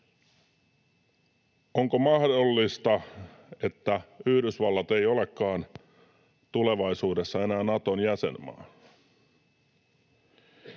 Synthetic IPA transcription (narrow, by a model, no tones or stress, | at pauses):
oŋkomɑhdolːist̪ɑe̞t̪ːæyhdysʋɑlːɑt̪ejo̞le̞kːɑːn | t̪ule̞ʋɑisuːde̞sːɑe̞næːnɑt̪onjæsḛnmɑ̰ː